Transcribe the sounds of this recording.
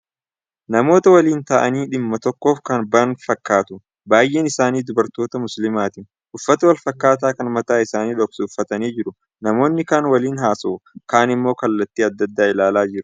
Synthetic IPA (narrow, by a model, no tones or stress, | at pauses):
nɐmo̞ːt̪ɐwɐliːnt̪ɐʔɐniːᶑɪmːɐt̪ɔkːoːfkɐnbɐnfɐkːaːt̪ʊ | baːjʔeːnɪsaːniːd̪ʊbɐɾt̪o̞ːt̪ɐmʊslɪmaːt̪ɪːn | ʔʊfːɐt̪ɐwɐlfɐkːaːt̪̬aːkɐnmɐt̪aːɪsaːniːᶑɔksʊʊfːɐt̪ɐniːd͡ʒɪɾʊ | nɐmo̞ːnːɪkaːnwɐliːnɦaːsoːkaːnɪmːo̞ːkɐlːɐt̪ːiːɐd̪ːɐd̪ːaːɪlaːlaːd͡ʒɪɾʊ̥